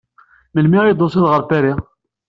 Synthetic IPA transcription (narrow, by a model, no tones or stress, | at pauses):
məlmiʁid̪ˤosiðʁəɾt̪æɾi